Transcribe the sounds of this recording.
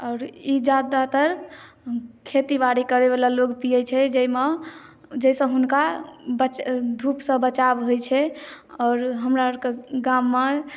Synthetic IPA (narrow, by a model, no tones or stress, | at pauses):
ɔːɾid͡ʒad̪at̪əɾ | kʰet̪ibaɾikəɾebelalokpijɛt͡ʃʰɛd͡ʒɛime | d͡ʒɛjsə̃ɦunkabət͡ʃd̪ʱupsə̃bət͡ʃabɦojt͡ʃʰɛɔːɾɦəmɾakeɡamːe